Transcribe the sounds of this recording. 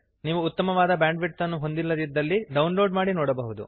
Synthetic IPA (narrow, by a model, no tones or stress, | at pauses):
niːʋuːt̪ːɐmɐʋaːd̪ɐbjaːɳɖʋiʈsɐnːuɦo̞nd̪ilːɐd̪id̪ːɐlːiɖɐwnlo̞ːɖmaːɽinoːɽɐbɐɦud̪ṵ